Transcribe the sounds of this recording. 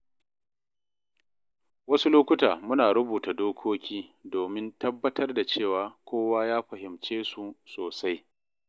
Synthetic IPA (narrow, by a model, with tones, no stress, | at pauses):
wɐ˦su˦loː˦kʷʊ˦taː˨mʊ˦naː˨ɽʊ˦buː˨ta˨doː˦kʷʰoː˦kʲiː˦doː˨mɪ˦ntɐ˦bːɐ˦tɐ˦rda˨t͡ʃeː˦˨waː˨kʷoː˦waː˦jaː˦ɸɐ˨hɪ˨mt͡ʃeː˦su˨soː˨sa˦j